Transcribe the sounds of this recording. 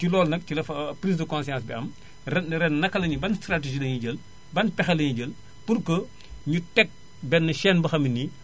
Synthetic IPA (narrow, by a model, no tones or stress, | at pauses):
cilɔːlnɐk̚cilɐfɐpɾiːsdəkɔ̃nsijãːsbiɐm | ɛnɾɛnːɐkːɐlɐɲibɐnstrateʒilɐɲiɟɐl | bɐnpɛxɐlɐɲiɟɐl | purkə | ɲutɛk̚ | bɛnːəʃɛːnbɐxɐmini